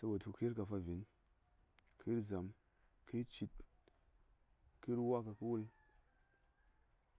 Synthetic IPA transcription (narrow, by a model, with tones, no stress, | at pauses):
sa˧˦ba˨tu˧ki˦i˦ɾka˨˧fa˧vi˨˦n | kʰi˦ɾza˨m | ki˦t͡ʃi˧t̚ | ki˦ɾwa˦ka˧ku˦wu˦l